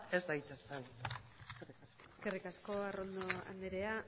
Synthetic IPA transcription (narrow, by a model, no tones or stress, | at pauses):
ezd̪ajt̪eseneskerikaskoeskerikasko̞aro̞nd̪oa̰nd̪eɾea